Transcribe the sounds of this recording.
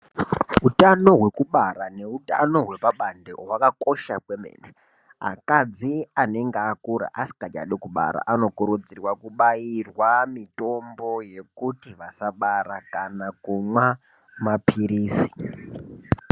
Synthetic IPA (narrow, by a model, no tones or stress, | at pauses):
utano̞ɦwe̞kuɓaɾane̞uta̰no̞ɦwe̞paɓandḛwakako̞ʃakwemḛːne | a̰kad͡ziane̞ŋɡeakuɾa̰ʔasi̥kad͡ʒa̰ɗekuɓa̰ɾa̰ʔano̞kuɾud͡zirwakuɓairwamito̞mbo̞je̞kutiʋasaɓaɾakanakumwa | mapiɾiːsi̥